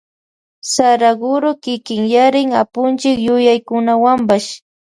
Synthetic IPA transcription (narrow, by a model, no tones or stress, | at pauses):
saɾaɡʊɾokɪkɪŋjaɾɪŋapʊnt͡ʃɪkjʊjajkʊnawampaʃ